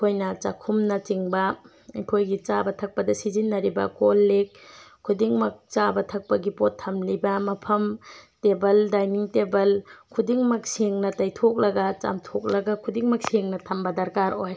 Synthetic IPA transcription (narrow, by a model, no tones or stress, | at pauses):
kʰojnɐt͡ʃakʰumnɐt͡ʃiŋbɐ | ɐjkʰojɡit͡ʃabɐtʰɐk̚pɐdɐsizinːɐɾibɐ̰kolːek̚ʰː | udiŋmɐk̚t͡ʃabɐtʰɐk̚pɐɡipotʰːɐmlibɐmɐpʰɐmtebɐldajniŋtebɐlkʰudiŋmɐk̚siŋnɐtajtʰok̚lɐɡɐt͡ʃa̰mtʰok̚lɐɡɐkʰudiŋmɐk̚siŋnɐtʰɐmbɐdɐɾkaɾoj